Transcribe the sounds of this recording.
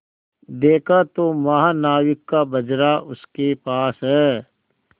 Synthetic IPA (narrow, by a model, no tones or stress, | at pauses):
d̪eːkʰat̪omɐɦanaːwɪkːabɐd͡ʒɾaʔʊskepaːsɦɛː